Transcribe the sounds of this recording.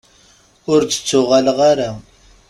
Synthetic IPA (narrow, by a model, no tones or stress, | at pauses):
ʊɾt͡sə̥t͡sːʊʁalʁaɾa